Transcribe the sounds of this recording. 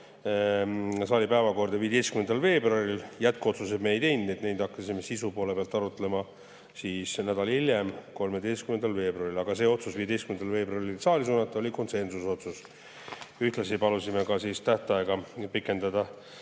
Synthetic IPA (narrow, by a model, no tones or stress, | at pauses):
sɑːlʲipæevɑko̞rd̪̥ɑviːd̪ejst̪kymnend̪ɑlve̞ːbroɑriljæt̪̚kuo̞t̪susebmeejd̪ejnet̪ne̞jd̪ɑkːɑsimesisupo̞lepeɑlt̪ːˑɑɾut̪ːˑelemɑ | siːsnæd̪̥ɑlilje̞mko̞lme̞d̪e̞jst̪kymend̪ɑlve̞ːbruɑɾilɑɡ̥ɑse̞ːo̞t̪susviːed̪e̞jst̪kymend̪ɑlve̞ːbrɑrilsɑːlisuːnɑt̪ːˑɑo̞liko̞nse̞nsuso̞t̪sus | yht̪lɑsipɑlusime̞kɑsiːst̪æht̪ɑe̞ɡɑpikːˑe̞nd̪ɑd̪̥ɑ